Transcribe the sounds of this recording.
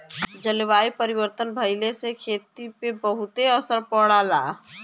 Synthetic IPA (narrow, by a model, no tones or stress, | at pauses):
d͡ʒəlʋaːipəɾiʋəɾt̪ənbʱəɪlesekʰeːt̪ipebəɦʊt̪eəsəɾpɔɽaːlaː